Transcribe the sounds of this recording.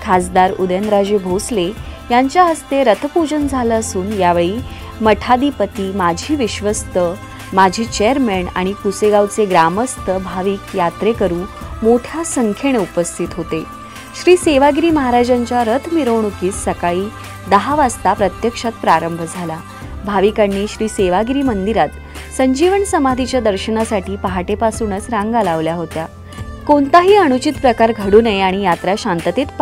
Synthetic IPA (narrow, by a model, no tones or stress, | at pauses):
kʰasd̪aɾud̪enɾad͡ʑebʱoslejaɲt͡ɕjaɦəst̪eɾət̪ʰpud͡ʑənd͡zʱaləəsuːnjaʋeɭiː | məʈʰad̪ipət̪iːmad͡ʑʱiːʋiɕʋəst̪ə | mad͡ʑʱiːt͡ɕeəɾmeɳa̰ɽ̃ikuseɡawt͡seɡɾaməst̪əbʱaʋiːkjat̪ɾekəɾuːmoʈʰjasəŋkʰeɽ̃eupəst̪ʰit̪ɦot̪e | ɕɾiːseʋaɡɾiːməɦaɾad͡ʑaɲt͡ɕjaɾət̪ʰmiɾəʋɳukiːsːəkaɭiː | d̪əɦaʋast̪apɾət̪jəkʂat̪̚pɾaɾəmbʱd͡zʱala | bʱaʋikanːiːɕɾiːseʋaɡɾiːmənd̪iɾat̪ | səɲd͡ʑiʋəɳsəmad̪ʱit͡ɕjad̪əɾɕənasaʈiːpaɦaʈepasunət͡sɾaŋɡalaʋljaɦot̪ja | kont̪aɦiːəɽ̃ut͡ɕit̪pɾəkaɾɡʱəɽuːnəjaɽ̃ijat̪ɾaɕant̪ət̪et̪p